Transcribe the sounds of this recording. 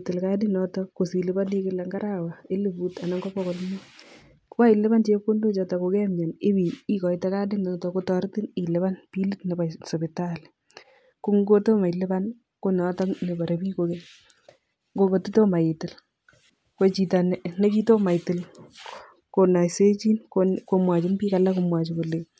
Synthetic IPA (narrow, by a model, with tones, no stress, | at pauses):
tɪ˨lka˦dɪ˦nɔtɔko˨si˨lɪ˦ba˦ni˦kɪ˦lɛ˨ŋɡa˦ɾa˦wa˨e˦li˦buta˨na˨ŋɡɔ˦pɔ˦kɔ˨lmu˦ | kwa˦ɪ˨lɪ˦ba˦nt͡ʃe˦ko˦ndo˦t͡ʃɔ˧ta˨ko˨kɛ˦mɲa˨ne˦bi˨i˦kɔ˨ɪtɛ˦ka˦dɪ˦nɔ˨tɔ˨ko˦tɔ˦ɾtɪ˦ni˨lɪ˨βa˦npi˦li˦tne˨ba˨so˨bɪ˨tal | ko˦ŋɡo˦to˦ma˨jlɪ˦ba˦n | ko˦nː˨˦tɔ˦ne˨ba˨ɾebiː˦ko˨kɛ˦ | ŋɡo˦ŋɡo˨ti˦to˦ma˨jɪ˨tɪ˨l | ko˦t͡ʃi˨ta˨nne˦t͡ʃi˦to˦ma˨jtɪ˨l | ko˨na˨jse˦t͡ʃi˦nkoko˨mwa˨t͡ʃɪ˦mbi˦ka˨la˦kumwa˨t͡ʃiko˨le˨